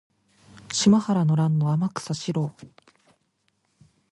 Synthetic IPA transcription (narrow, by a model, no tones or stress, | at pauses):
ɕimahaɾanoɾãnːo̞amakɯ̥saɕiɾo̞ː